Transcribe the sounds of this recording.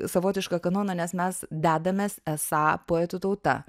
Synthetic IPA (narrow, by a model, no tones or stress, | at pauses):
sɐʋoːt̪ʲɪʃkɑkɐnoːnɐnʲɛsmʲɛsd̪ʲæːd̪ɐmʲeːsɛsɑːpoːɛt̪ut̪ɐʊt̪ɐ̰